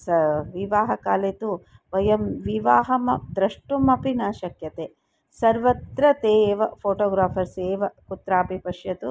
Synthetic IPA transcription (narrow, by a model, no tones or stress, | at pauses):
sɐʋiʋaːɦɐkaːleːt̪u | ʋɐjɐmʋiʋaːɦɐmɐd̪ɾɐʂʈumɐpinaːʃɐkjɐt̪eː | sɐɾʋɐt̪ɾɐt̪eːʋɐpʰoːʈoːɡɾaːpʰɐɾseːʋɐkut̪ɾaːpipɐʂjɐt̪u